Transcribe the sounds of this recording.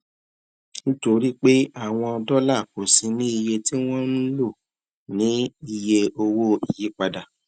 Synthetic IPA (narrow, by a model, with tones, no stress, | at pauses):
ñ̩˦to˧ɾi˦k͡pe˦a˦˨w̃ɔ̃˧ɔ˧dɔ˦la˦˨ko˨sĩ˨˧˦nĩ˦i˧je˧ti˦w̃ɔ̃˦nũ˦lo˦˨ | nĩ˨˦i˧je˧o˧wo˦i˨ji˨˦k͡pa˧da˨